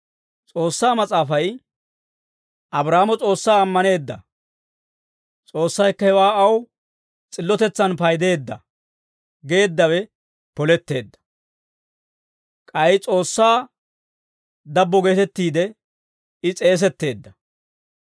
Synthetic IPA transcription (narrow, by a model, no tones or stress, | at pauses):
t͡sʼo̞ːsːaːmɐt͡sʼaːfɐj | ʔɐbɾaːmɔt͡sʼo̞ːsːaːɐmːɐne̞ːd̪ːɐ̰ | t͡sʼo̞ːsːɐjkːɐhɛwaːɐw | t͡sʼɪlːɔt̪ɛt͡sːɐnpɐjd̪e̞ːd̪ːɐ̰ | ɡe̞ːd̪ːɐwɛ | pɔlɛt̪ːe̞ːd̪ːɐ̥ | kʼɐjt͡sʼo̞ːsːaː | d̪ɐbːɔɡe̞ːt̪ɛt̪ːiːd̪ɛ | ɪt͡sʼe̞ːs̬ɛt̪ːe̞ːd̪ːɐ